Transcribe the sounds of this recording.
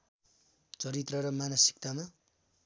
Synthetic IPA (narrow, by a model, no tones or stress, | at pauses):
t͡sʌɾit̪rʌɾʌmanʌsi̥k̚t̪ama